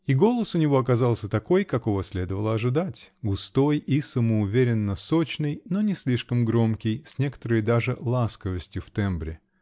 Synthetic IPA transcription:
iɡo̞lˠəsʊnʲɪvo̞ɐkɐzɑlˠsʲət̪ɐko̞jkɐko̞vəsʲlʲe̞d̪əvəlˠəɐʐɨd̪atʲɡʊst̪o̞jisəməʊvʲeɾʲɪnːəso̞t͡ɕnəjno̞nʲɪsʲlʲiʂkəmɡɾo̞mkʲɪjsʲnʲe̞kə̥t̪əɾəjd̪aʐɨlˠaskəvəsʲtʲjʊft̪ɛmbɾʲɪ

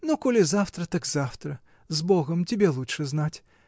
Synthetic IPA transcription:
nukɔlʲɪzaft̪ɾɐt̪aɡzaft̪ɾɐ | zbɔɣɐmtʲɪbʲɛlˠut͡ʂʂɨznatʲ

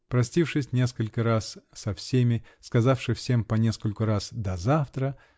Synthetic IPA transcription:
pɾɐsʲtʲifʂɨsʲnʲe̞skəlʲkəɾassɐfsʲemʲɪskɐzafʂɨfsʲe̞mpɐnʲe̞skəlʲkʊɾasd̪ɐzaft̪ɾə

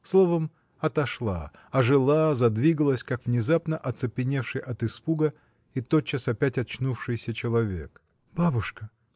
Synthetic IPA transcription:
slˠo̞vəm | ɐt̪ɐʂlˠa̰ | ɐʐɨlˠazɐd̪vʲiɡəlˠəsʲkakvnʲɪzapnəʔɐt̪sɨpʲɪnʲe̞fʂɨjʔɐt̪ɨspuɡə | it̪o̞t͡ɕːasɐpʲætʲɐt͡ɕnufʂɨjsʲət͡ɕɪlˠɐvʲe̞̰k | b̥abʊʂkə

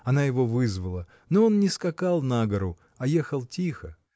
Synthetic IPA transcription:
ɐnajɪvo̞vɨzvəlˠə | noo̞nnʲɪskɐkalˠnaɡəɾʊ | ɐjexəlˠtʲixə

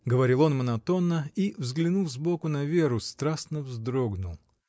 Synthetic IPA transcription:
ɡəvɐɾʲilˠo̞nmənɐt̪o̞nːəivzɡlʲɪnulˠzbo̞kʊnɐvʲe̞ɾʊst̪ɾasnəvzd̪ɾoɡnʊlˠ

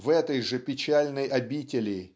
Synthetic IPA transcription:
vɛt̪əjʐɨpʲɪt͡ɕælʲnəjɐbʲitʲɪlʲɪ

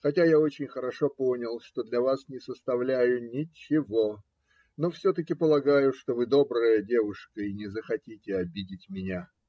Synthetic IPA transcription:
xɐtʲajao̞t͡ɕɪnʲxəɾɐʂo̞ponʲɪlˠʂt̪o̞d̪lʲɐvasnʲɪsəst̪ɐvlʲæjʊnʲɪt͡ɕːɪvo̞ | nofsʲot̪əkʲɪpəlˠɐɡajʊʂt̪o̞vɨd̪o̞bɾəjədʲe̞vʊʂkəinʲɪzəxɐtʲitʲɪɐbʲidʲɪtʲmʲɪnʲa

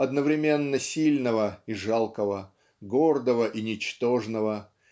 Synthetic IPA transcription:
ɐd̪nəvɾʲɪmʲe̞nːəsʲilʲnəvəiʐalˠkəvə | ɡord̪əvəʔinʲɪt͡ɕt̪o̞ʐnəvə

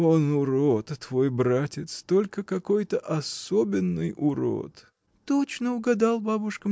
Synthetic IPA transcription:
o̞nʊɾot̪ːvo̞jbɾatʲɪt̪st̪o̞lʲkəkɐko̞jt̪əʔɐsobʲɪnːɨjʊɾo̰t̪ | t̪ot͡ɕnəʊɡɐd̪ɑlˠbabʊʂkəm

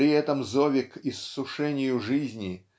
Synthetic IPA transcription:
ɾʲɪɛt̪əmzovʲɪkisːʊʂɛnʲɪjʊʐɨzʲnʲɪ

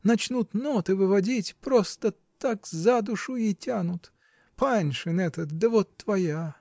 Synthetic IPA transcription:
nɐt͡ɕnut̪not̪ɨvɨvɐdʲitʲpɾost̪ə | t̪akzad̪ʊʂʊitʲanʊt̪ | panʲʂɨnɛt̪ət̪̚d̪əvot̪ːvɐja

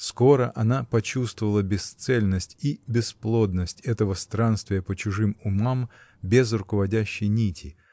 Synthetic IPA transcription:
sko̞ɾəʔɐnapɐt͡ɕust̪vəvəlˠəbʲɪst̪sɛlʲnəsʲtʲibʲɪsplˠo̞d̪nəsʲtʲɛt̪əvəst̪ɾanst̪vʲɪjəpət͡ɕʊʐɨmʊmambʲezrʊkəvɐdʲæɕːɪjnʲitʲɪ

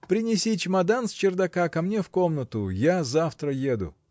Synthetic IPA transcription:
pɾʲɪnʲɪsʲit͡ɕʲɪmɐd̪ansʲt͡ɕɪrd̪ɐkakɐmnʲe̞fkomnət̪ʊjazaft̪ɾəjed̪ʊ̰

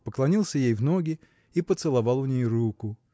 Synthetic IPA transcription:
pəklˠɐnʲilˠsʲəjejvnoɡʲɪ | ipət̪sɨlˠɐvɑlˠʊnʲejrukʊ

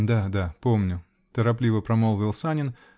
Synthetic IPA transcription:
d̪ad̪apomnʲʊ | t̪əɾɐplʲivəpɾɐmolˠvʲɪlˠsanʲɪn

